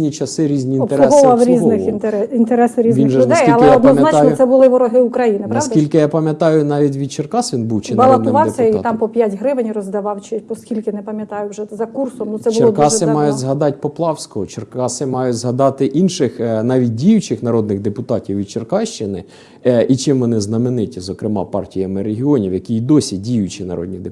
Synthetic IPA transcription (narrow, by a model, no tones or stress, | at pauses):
nʲit͡ʃɐsɪɾʲizʲnʲiːnɔt̪eɾɔɛɦɔʋɑwɾʲizɔnɪxint̪eɾɛsɪɾʲizʋ̪iɪnʒʊnd̪ɐɛsjkiɐlˠɪɛjɔd̪nɔzmʲjɐnatj̪nɔsɛbʊlˠɪʋɔɾɔɦɪukɾɐjinɪnpɾɐaʋsd̪ɐkilʲkɪjapɐmʲjɐt̪ɑjʊnɑʋʲit̬ʲʋʲid̪t͡ʃerkɑsʋʲinbuwt͡ʃɪnbɐlˠɐd̪ʊɪʋɑwsʲɐit̪ɑmpɔpʲjætʲɦɾɪʋɪnʲɾɔzd̪ɐʋɑwt͡ʃɪpɔskʲilʲkɪnɛpɐmʲjɐt̪ɑjʊwʒɛzɐkursɔmnʊɛbt͡ʃʊlˠrɔkɑsɪmɑjʊdʲzɦɐd̪ɑtʲpɔplˠɑwsʲkɔɦɔt͡ʃerkɑsɪmɑjʊtʲzɦɐd̪ɑt̪ɪʔinʃɪxnɑʋʲit̚ʲdʲijʊt͡ʃɪxnɐɾɔd̪̚nɪɣd̪epʊt̪ɑtʲiwʋʲid̪t͡ʃerkɑʃt͡ʃɪnɪ | ʔit͡ʃɪmʋɔnɪznɐmɪnɪtʲizɔkɾɪmɑ̰pɑrtʲijɐmɪɾeɦʲiɔnʲiwjɐkʲiid̪ɔsʲidʲijʊt͡ʃinɐ̰ɾɔ̰d̪ʲnʲid̪e